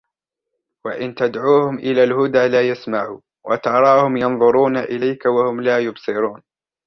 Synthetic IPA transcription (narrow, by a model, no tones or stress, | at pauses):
waʔɪnt̪ad̪ʕuːhʊmʔɪlaːlhʊd̪aːlaːjasmaʕṵː | wʔat̪ɑɾˤɑːhʊmjɑnðˤʊɾuːnaʔɪlajkawahʊmlaːjʊbsˤɨɾuːn